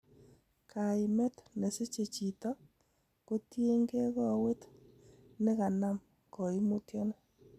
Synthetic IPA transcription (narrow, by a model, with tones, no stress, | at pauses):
kʰa˨ɪ˨mɛ˦tne˨se˦t͡ʃe˨t͡ʃi˨tɔ˦ | ko˦tje˦ŋɡe˦kɔ˦we˦t | nɪ˦ka˨na˦m | kɔ˨i˦mu˦tjɔ˦nɔ˦